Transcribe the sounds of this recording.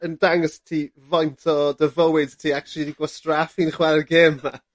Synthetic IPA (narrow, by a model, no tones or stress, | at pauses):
əndaŋɔstʰiː | vɔjntʰɔdəvəwɪdtʰiːak̚t͡ʃʰulˠidiɡwɔstrafinχwɛlrɡeːmːa